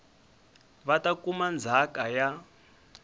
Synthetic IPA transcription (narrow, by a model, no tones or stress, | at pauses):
βatakumand͡zʱakaja